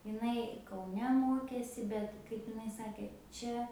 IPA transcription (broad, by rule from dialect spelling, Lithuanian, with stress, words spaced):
ɪˈnɐɪ kɐʊˈnʲɛ ˈmoːkʲeːsʲɪ ˈbʲɛt kɐɪp ɪˈnɐɪ ˈsɑːkʲeː ˈt͡ʃʲɛ